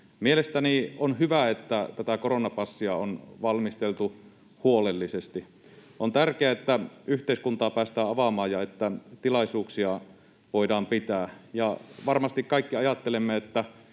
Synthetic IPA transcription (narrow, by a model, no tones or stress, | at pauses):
mielest̪ænionhyʋæet̪ːæt̪æt̪ækoronɑpɑsːiɑonʋɑlmist̪elt̪u | huolelːisest̪i | ʔont̪ærkeæet̪ːæyht̪eiskunt̪ɑːpæːst̪æːɑʋɑmɑːjjɑet̪ːæt̪ilɑisuːksiɑ | ʋoidɑːmpit̪æːjɑʋɑrmɑst̪ikkɑikːiɑjɑt̪ːelemːeet̪ːæ